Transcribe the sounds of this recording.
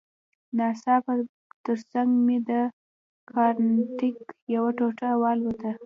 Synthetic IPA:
nɑsɑpə | t̪əɾsaŋɡmed̪ə | kʰɑɾntɪkjawaʈoʈawɑlwət̪a

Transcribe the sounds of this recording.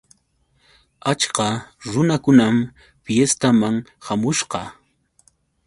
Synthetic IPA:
at͡ʃqɑɾʊnakʊnam | fjest̪amaŋhamʊʃqɑ

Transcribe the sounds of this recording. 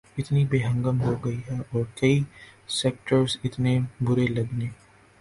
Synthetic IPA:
ɪt̪nibeːɦə̃ŋɡəmɦoɡɐiɦɛʔɔːɾkɐisɛk̚ʈəɾsɪt̪nebʊɾelɐɡneː

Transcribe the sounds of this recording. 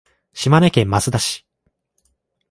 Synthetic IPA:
ɕimanekẽmːasɨd̪aɕi̥

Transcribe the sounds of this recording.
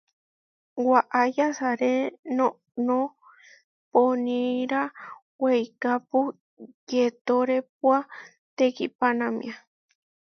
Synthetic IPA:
waʔajasaɾeno | nõ | ponĩɾa | wejkapu | jet̪oɾep̚wa | t̪ekipanãmḭ̃a

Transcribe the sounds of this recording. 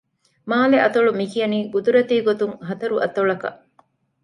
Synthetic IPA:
maːleʔɐt̪ɐɭumikijɐniːɡud̪uɾɐt̪iːɡot̪uŋɦɐt̪ɐɾuʔɐt̪oɭɐkɐ̰ʔ

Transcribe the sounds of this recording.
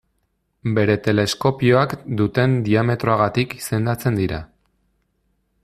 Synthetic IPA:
be̞ɾe̞t̪e̞le̞sko̞pioakd̪ut̪e̞nd̪iame̞t̪ɾo̞aɣat̪iki̥se̞nd̪at͡se̞nd̪iɾa̰

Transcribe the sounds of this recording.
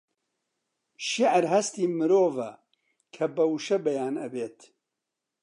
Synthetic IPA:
ʃiʕɾɦɐst̪iːmɨɾoːvɐ̰ | kʰɐbɐwuʃɐbɐjaːnɐbeːt̪

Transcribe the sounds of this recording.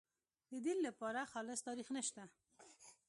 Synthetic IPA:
d̪əd̪ɪllapɑɾaxɑlɪst̪ɑɾixnəʃt̪a

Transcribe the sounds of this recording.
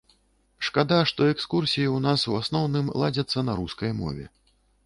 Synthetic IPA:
ʂkad̪aʂt̪ɔɛkskursʲijiwnasuasnɔwnɨmlˠad͡zʲɐt̪sːɐnaɾuskɐjmɔ̰vʲɛ̰

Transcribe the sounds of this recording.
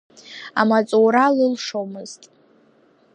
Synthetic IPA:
a̰mat͡sʼowɾalɨlʂomɨztʼ

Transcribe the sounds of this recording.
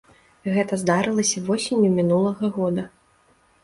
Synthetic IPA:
ɣɛt̪ɐzd̪aɾɨlˠɐsʲɐvɔsʲinʲjumʲinulˠɐɣɐɣɔd̪ɐ

